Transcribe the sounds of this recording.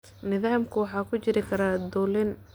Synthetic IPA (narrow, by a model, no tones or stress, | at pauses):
nɪðaːmkʰʊwɑħɑːkʰʊt͡ʃɪɾɪkʰɐɾad̪uːlɪn